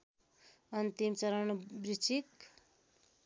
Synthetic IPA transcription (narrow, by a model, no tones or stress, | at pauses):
ʌnt̪imt͡sʌɾʌnbrit͡sʰik